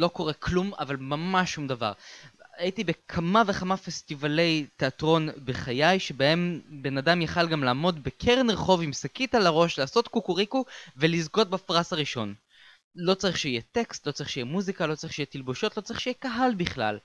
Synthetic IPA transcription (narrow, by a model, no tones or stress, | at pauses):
lo̞ko̞ʁekʰluma̰valmamaʃːumd̪ava̰ʁajit̪ibe̞kʰamaveχamafest̪ivale̞jt̪eatʁo̞nbeχajajʃebae̞mbe̞nadamjaχalɡamlaːmo̞d̪bekʰeʁeniʁχo̞vimsakit̪alaʁo̞ʃlaːso̞t̪kukuʁikuvelizɡo̞t̪̚bafʁasaʁiʃo̞n | lo̞t͡saʁiχʃeijɛt̪ekst̪lo̞t͡saʁiχʃejɛmuzikalo̞t͡saʁiχʃejɛt̪ilboʃo̞t̪lo̞t͡saʁiχʃejɛkaɦalbiχla̰l